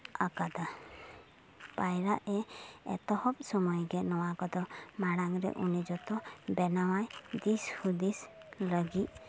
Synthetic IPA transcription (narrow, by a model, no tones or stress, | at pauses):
akad̪a | pajɾaʔɛɛ̰t̪ɔhɔp̚sɔmɔjɡɛnɔwakɔd̪ɔmaɽaŋɾɛ̰ʔunid͡ʒɔt̪ɔbɛnawajd̪ishud̪isləɡit